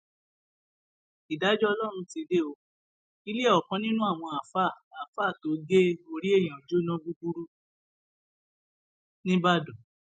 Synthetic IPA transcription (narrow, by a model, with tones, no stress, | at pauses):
i˨da˨˦d͡ʒɔ˦ɔ˧lɔ˦˨ɾ̃ũ˧tĩ˧de˦o˧ | i˦le˦ɔ˨kɔ̃˨˦nĩ˦nũ˦a˦˨w̃ɔ̃˧a˨fa˦˨a˨fa˦˨to˨˦ɡe˦o˧ɾi˦e˦˨j̃ã˨d͡ʒo˨˦nɔ̃˦bu˦bu˦ɾu˦ | nĩ˦ba˦˨do˨